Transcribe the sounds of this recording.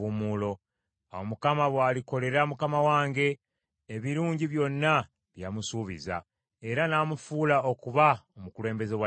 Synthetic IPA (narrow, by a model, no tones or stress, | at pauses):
umuːlo̞ | awomukamaβwaːliko̞le̞ɾamukamawaːŋɡe̞ː | βiɾuːɲɟiβjo̞nːa | βjamusuːβḭza̰ | e̞ɾanaːmufuːlaokuβaomukule̞ːmbe̞zewa